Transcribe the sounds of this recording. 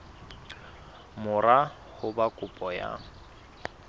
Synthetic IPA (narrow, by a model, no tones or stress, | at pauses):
mʊra | hʊbakʼʊpʼɔja̰